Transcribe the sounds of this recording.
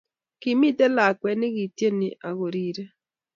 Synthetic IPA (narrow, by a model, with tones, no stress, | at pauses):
kɪ˨mɪ˦d̪ɛ˦la˨kwɛ˨nɪ˦ɡi˨tje˦ni˨ʔa˨ɣo˨ɾi˨ɾe˦